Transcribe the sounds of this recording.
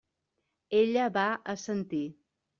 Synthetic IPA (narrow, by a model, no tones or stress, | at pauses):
eʎəβaəsənt̪i